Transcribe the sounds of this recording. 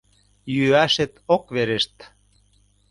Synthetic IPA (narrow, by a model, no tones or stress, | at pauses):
jyæʃet̪okβeɾeʃt̪